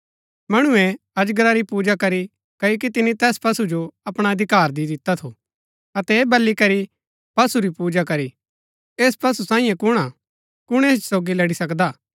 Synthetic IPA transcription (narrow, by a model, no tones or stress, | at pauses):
mɐɽ̃ʊɛ̃ | ɐd͡ʒɡɾaɾipuːd͡ʒakɐɾi | kɐjok̬it̪ɪnit̪ɛːspɐsud͡ʒoɐpɽ̃aɐd̪ʱɪkaːɾd̪id̪ɪt̪ːat̪ʰo | ɐt̪ɛeːbɐlːikɐɾi | pɐsuɾipuːd͡ʒakɐɾi | eːspɐsusãːĩjẽkʊɽ̃a | kʊɽ̃eːsoːɡilɐɽisɐkd̪aː